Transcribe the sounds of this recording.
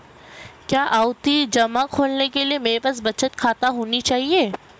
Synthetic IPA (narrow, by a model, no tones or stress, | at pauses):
kjaːʔaːʊt̪id͡ʒɐmakʰoːlnekeliemeːebɐs̬bɐt͡ʃət̪kʰaːt̪aɦoːnit͡ʃaːɦieː